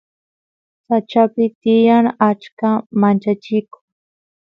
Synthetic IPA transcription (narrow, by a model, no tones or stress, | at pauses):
sat͡ʃapɪt̪ɪjaŋat͡ʃkamant͡ʃat͡ʃɪkʊŋ